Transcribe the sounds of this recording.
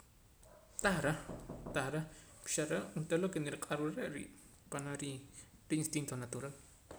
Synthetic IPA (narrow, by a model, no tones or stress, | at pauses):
t̪ahɾat̪ahɾa | pi̥ʃaɾaunt̪elokeniɾiqʼaɾuɾɾeʔɾḭːʔ | panaɾiɾiinst̪int̪onat̪uɾal